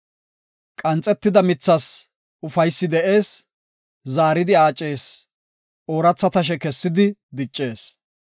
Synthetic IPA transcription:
kʼɐnt͡sʼɛt̪ːɪd̪ɐmɪt͡sːɐs | ʊfɐjsːɪd̪ɛʔe̞ːs | zaːɾɪd̪ɪaːt͡ʃʼːe̞ːs | ʔo̞ːɾɐt͡sːɐt̪ɐʃ̬ɛkɛsːɪd̪ɪd̪ɪt͡ʃʼːe̞ːs

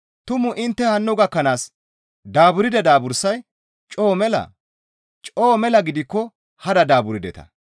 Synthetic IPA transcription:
t̪ʊmʊʔɪnt̪ːɛhɐnːʊɡɐkːɐnaːs | d̪aːbʊɾɪd̪ɐd̪aːbʊɾsɐj | t͡ʃʼo̞ːmɛlɐ̰ | t͡ʃʼoːmɛlɐɡɪd̪ɪkːɔ | hɐd̪ɐd̪aːbʊɾɪd̪ɛt̪ɐ̥̰

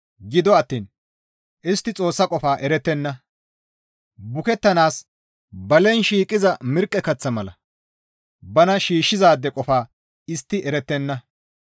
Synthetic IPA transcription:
ɡɪd̪ɔɐt̪ːiːn | ʔɪst̪ːɪt͡sʼo̞ːsːɐkʼɔfaːʔɛɾɛt̪ːɛnːɐ | bʊkɛt̪ːɐnaːs | bɐlɛnʃiːkʼːɪzɐmɪɾkʼːɛkɐt͡sːɐmɐlɐ̰ | bɐnɐʃiːʃːɪzaːd̪ːɛkʼɔfaː | ɪst̪ːɪʔɛɾɛt̪ːɛnːɐ

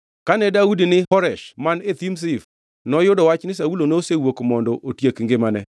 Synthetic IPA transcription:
kanɛdaudinɪhɔɾɛʃmanet̪ims̬if | nɔjodɔwat͡ʃnɪs̬aulonosewokmɔndɔʔotjekŋɡɪmanɛ̰

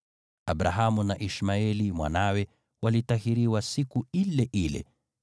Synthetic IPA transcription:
abɾaɦamunaʔiʃmaɛlimwa̰nawɛ | walitahiɾiwasikuilɛʔilɛ̰

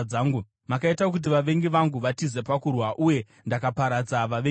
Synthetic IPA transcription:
aːŋɡu | makaitaok̬ut̬iʋaʋe̞ŋɡiʋaŋɡuʋatize̞pakurwaʔuje̞ | ndakapaɾad͡zaʋaʋe

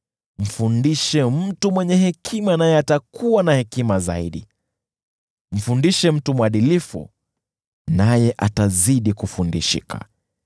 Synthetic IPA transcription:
m̩fundiʃɛm̩tumwɛɲɛhɛkʰimanajɛatakʰuwanahɛkimaza̰iɗi | m̩fundiʃɛm̩tumuaɗilifṵ | najɛʔataziɗikufundiʃḭka̰

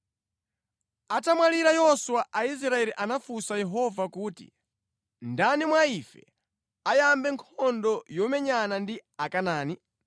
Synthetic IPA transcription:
atamwaliɾajɔswaʔais̬ɾaɛɾiʔanafusajɛɦɔvakuːtḭ | ndanimwaifɛ̰ | ajambɛŋkʰɔndɔjɔmɛɲanandiakanaːni

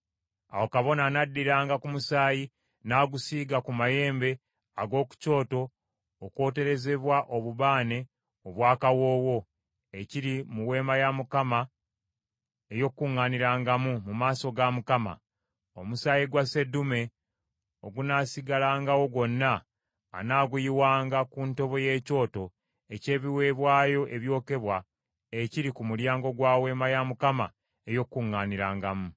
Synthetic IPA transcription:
a̰wokaβo̞nanadːiɾaːŋɡakumusaːji | naːɡusiːɡakumaje̞ːmbe̞ | aɡo̞ːku̥co̞ːto̞ː | kwo̞ːte̞ɾe̞ze̞βwaʔo̞βuβaːne̞ | oβwaːkawo̞ːwo̞ | eciɾimuwe̞ːmajamukama | ejokkːuŋːaniɾaːŋɡamumumaːso̞ɡamukama̰ | o̞musaːjiɡwase̞dume̞ | o̞ɡunaːsiɡalaːŋɡawo̞ɡwo̞nːa̰ː | naːɡujiwaːŋɡakunto̞βo̞je̞ːco̞ːto̞ | ece̞ːβiwe̞ːβwaːjo̞ʔe̞βjo̞ːke̞βwa | eciɾikumuljaːŋɡo̞ɡwaːwe̞ːmajamukama | ejo̞kːuŋːaniɾaːŋɡamu

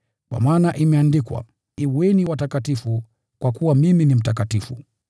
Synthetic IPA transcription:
kwa̰maːnaʔimɛandikwa̰ | iwɛniwatakatifu | kwakuwamiminim̩takatifṵ

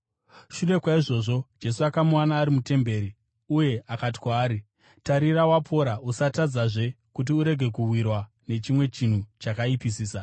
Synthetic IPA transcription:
ʃure̞kwaiʐo̞ʐo̞d͡ʒe̞suakamuwanaːɾimute̞mbe̞ːɾi | uje̞akati̥kwaːɾi | taɾirawapʰo̞ɾausatad͡zaʐe̞ | kut̬iuɾe̞ɡʱe̞kuwirwa | ne̞t͡ʃimwe̞t͡ʃin̤ut͡ʃakaipisiːsa

